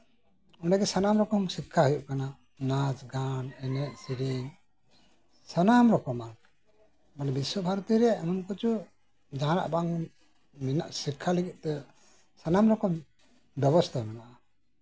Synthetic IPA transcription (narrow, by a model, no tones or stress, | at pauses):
unaɡɛsanamɾɔkɔmsikʰːaɦujuʔkana | nasɡanɛnɛʔ̚siɾiɲ | sanamɾɔkɔma | manɛbiswɔbʱaɾɔt̪iɾɛamɔnkɔt͡ʃu | d͡ʒaɦna̰ʔbaŋ | mina̰ʔsikʰːaliɡiʔ̚t̪ɛ | sanamɾɔkɔm | bjɛbɔst̪ʰamɛnaʔa